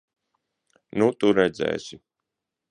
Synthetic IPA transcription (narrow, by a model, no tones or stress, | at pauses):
nut̪uɾɛd̪zɛ̰ːsʲi